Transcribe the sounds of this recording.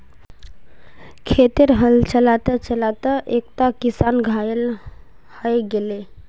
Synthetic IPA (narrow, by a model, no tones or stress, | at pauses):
kʰet̪iɾɦəlt͡ʃəlat̪ət͡ʃəlat̪əʔek̚t̪akisanɡʱael | həjɡele